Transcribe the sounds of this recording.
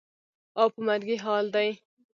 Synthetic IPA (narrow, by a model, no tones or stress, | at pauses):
awpəmaɾɡiɦɑːld̪aj